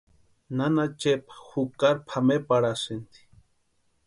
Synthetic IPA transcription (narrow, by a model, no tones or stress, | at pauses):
nanat͡ʃepḁxukaɾpʰamepaɽasɨnt̪i̥